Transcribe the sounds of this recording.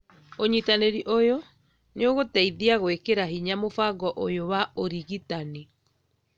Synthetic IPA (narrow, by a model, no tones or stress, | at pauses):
oɲitaneɾiʔojo | neoɣotɛiðiaɣwekeɾaɦiɲamofaɡɔʔojowaoɾiɣitani